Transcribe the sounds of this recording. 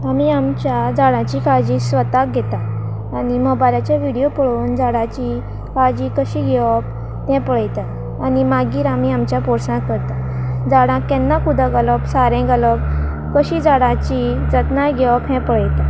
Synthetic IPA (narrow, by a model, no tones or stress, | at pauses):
amiːamt͡ɕjad͡zaɽãt͡ɕikaɭd͡ʑisʋət̪ak̚ɡʱɛt̪aː | nimɔbajlat͡ɕaʋiɽijopəɭuːnd͡zaɽat͡ɕi | kaɭd͡ʑikəɕiɡʱɛʋɔp̚ | t̪ɛ̃pəɭəjt̪a | animaɡiːɾamiːamt͡ɕjapɔɾsãkəɾt̪a | d͡zaɽãkɛnːakud̪əɡələbsaɾɛ̃ɡələb̚ | kəɕid͡zaɽãt͡ɕid͡zət̪naɡʱɛʋɔpɦɛ̃pəɭəjt̪a